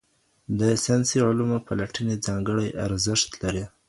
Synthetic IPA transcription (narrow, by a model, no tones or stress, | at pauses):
d̪əsɑnsiʕʊlumopalaʈəned͡zɑŋɡəɽajʔaɾzɪʃt̪laɾi